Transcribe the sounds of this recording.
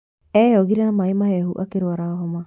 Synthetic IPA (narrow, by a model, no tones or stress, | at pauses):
eoɡiɾanamajmaɦeɦṵʔakeɾuaɾaoɦoma